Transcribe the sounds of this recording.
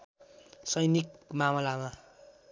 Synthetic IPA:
sʌjnik̚mamʌlama

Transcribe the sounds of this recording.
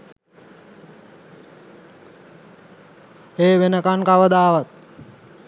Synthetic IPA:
eːʋenəkankaʋəd̪aːʋat̪̚

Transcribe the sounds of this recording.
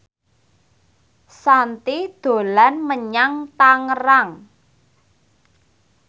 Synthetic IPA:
sant̪id̪̥o̤lanməɲaŋt̪aŋəraŋ

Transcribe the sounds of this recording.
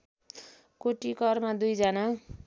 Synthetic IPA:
koʈikʌrmad̪ujd͡zana

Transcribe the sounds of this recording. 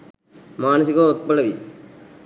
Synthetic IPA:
maːnɐs̬iɣoːɔt̪̚pɐɭɐʋi

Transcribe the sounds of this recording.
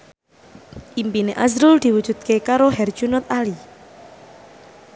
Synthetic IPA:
ʔimpineʔazɾʊld̪̥i̤wud̥ʒ̥ṳt̪̚kekaɾoɦɛrd̥ʒ̥unɔt̪̚ali

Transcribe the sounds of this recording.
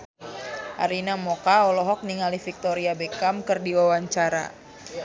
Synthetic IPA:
ʔa̰ɾinamɔkaɔlɔɦɔk̚niŋalifik̚t̪ɔɾiabekamkərdiwawaɲt͡ʃaɾa̰

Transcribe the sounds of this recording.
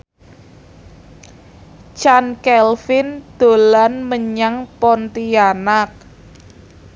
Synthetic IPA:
t͡ʃankɛlfɪnd̪̥o̤lanməɲaŋpɔnt̪ianak̚

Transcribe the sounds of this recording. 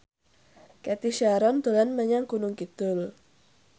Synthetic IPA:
kɛt̪iʃaɾɔnd̪olanməɲaŋkunʊŋkit̪ʊl

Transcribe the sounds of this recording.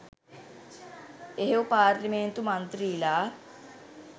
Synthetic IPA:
eɦoːpaːɾlimẽnt̪umənt̪ɾiːlaː

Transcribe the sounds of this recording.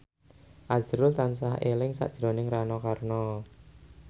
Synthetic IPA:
ʔaz̥ɾʊlt̪ansaɦelɪŋsa̰ʔd̥ʒ̥ɾonɪŋranɔkarnɔ

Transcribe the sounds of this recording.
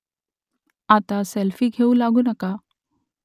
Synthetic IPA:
at̪aselfiːɡʱeulaɡuːnəka

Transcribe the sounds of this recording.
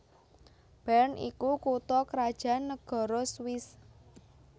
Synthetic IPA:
b̥ɛnḭkukut̪ɔkɾad̥ʒ̥a̤nːəɡ̥ɔ̤ɾɔswɪs

